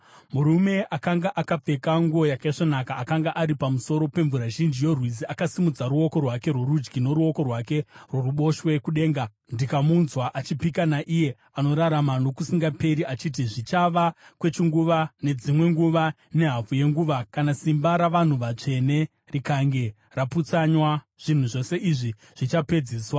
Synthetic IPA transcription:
muɾume̞ʔakaŋɡaʔakap͡fe̞kaŋɡuo̞jakaiʐonakaːkaŋɡaʔaɾipamuso̞ɾo̞pe̞ɱvuɾaʒind͡ʒijo̞rwiziakasimud͡zaɾuo̞ko̞rwake̞rworud͡ʒɡino̞ɾuo̞ko̞rwake̞rwo̞ruɓo̞ʃwe̞kuɗe̞ːŋɡa | ndikamunzwaʔat͡ʃipikanaʔije̞ | ano̞ɾaɾamano̞kusiŋɡape̞ɾiʔat͡ʃit̬iʐit͡ʃaʋakwe̞t͡ʃiŋɡuʋane̞d͡zimwe̞ŋɡuʋa | ne̞ɦafuje̞ŋɡuːʋakanasimbaɾaʋan̤uʋat͡ʂe̞ne̞ | rikaŋɡe̞ | raput͡saɲwa | ʐ̥in̤uʐo̞se̞ʔiʐi | ʐ̥it͡ʃape̞d͡zeːswa

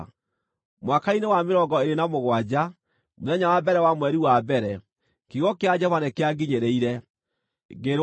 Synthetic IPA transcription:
mwakainewameɾɔɡɔeɾenamoɣwad͡ʑa | moðɛɲawabɛɾɛwamwɛɾiwabɛɾɛ | kiɣɔkead͡ʑɛvanɛkeaɡiɲeɾeiɾɛ | ɡeɾ

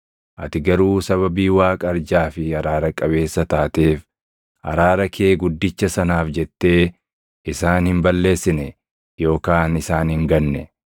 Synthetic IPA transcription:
ʔɐt̪ɪɡɐɾuːsɐβɐbiːwaːkʼɐɐɾd͡ʒaːfɪɐɾaːɾɐkʼːɐbe̞ːsːɐt̪aːt̪e̞ːf | ɐ̰ɾaːɾɐkʰeːɡʊd̪ːɪt͡ʃːɐsɐnaːfd͡ʒɛt̪ːe̞ː | ʔɪsaːnhɪmbɐlːe̞ːsːɪnɛ | jo̞ːkaːnɪsaːnhɪŋɡɐnːɛ

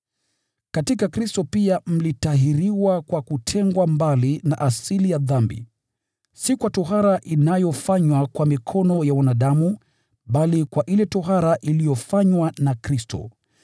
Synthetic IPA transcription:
katikakɾistɔpiam̩litaɦiɾiwakwakutʰɛŋɡwambalina̰ʔasilijaðambḭ | sikuwatɔɦaɾaʔinajɔfaɲwakwamikʰɔnɔjawanaɗamu | ɓalikwaʔilɛtɔɦaɾaʔilijɔfaɲwanakɾistʰɔ̰

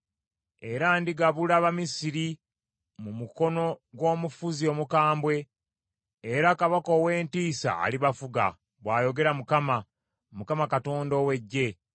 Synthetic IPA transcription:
e̞ɾandiɡaβulaːβamisiɾi | mumuko̞no̞ɡwo̞ːmufuzio̞mukaːmbwe̞ː | ɾakaβakoːwe̞ːntiːsa̰ːliβafuɡa̰ | βwaːjo̞ɡe̞ɾamukama | mukamakato̞ːndo̞we̞ɟːe̞

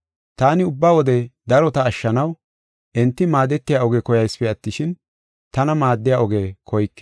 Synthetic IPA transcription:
t̪aːnɪʊbːaːwɔd̪ɛd̪ɐɾɔt̪ɐːʃːɐnɐw | ʔɛnt̪ːɪmaːd̪ɛt̪ːɪjaːɔɡɛkɔjɐjspɛɐt̪ːɪʃɪn | t̪ɐnɐmaːd̪ːɪjaːɔɡeːkʰɔjkːɛ̥

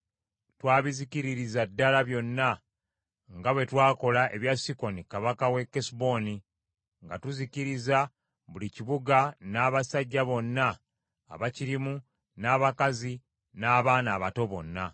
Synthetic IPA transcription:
twaːβiziciɾiɾizadːalaβjo̞nːa | ŋɡawe̞twaːko̞laʔe̞βjasiko̞nikaβakawe̞kːesbo̞ni | ŋɡatuziciɾiza | βuliciβuɡanaːβasaɟːaβo̞nːa̰ː | βaciɾimu | naːβakazi | naːβaːnaːβato̞βo̞̰nːa

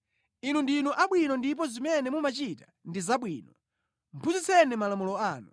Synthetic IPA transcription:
inundinuʔaɓwinɔndip̬ɔzimɛnɛmumat͡ʃitḁndizaɓwiːnɔ | mpʰuzit͡sʰɛnɛmalamulɔaːnu

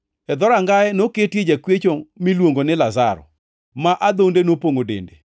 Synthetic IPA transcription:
ɛd̪ɔɾaŋɡaɛnoketjed͡ʒakwet͡ʃomɪlwoŋɡonɪlazaɾɔ̰ | maʔad̪ondenopoŋodḛnde

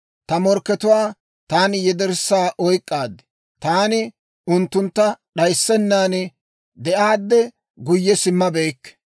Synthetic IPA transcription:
t̪ɐmɔɾkːɛt̪ʊwaː | t̪aːnjɛd̪ɛɾsːaːʔɔjkʼːaːd̪ɪ | t̪aːnɪ | ʊnt̪ːʊnt̪ːɐɗɐjsːɛnːaːnɪ | d̪ɛʔaːd̪ːɛ | ɡʊjːɛsɪmːɐbeːkːɛ̥

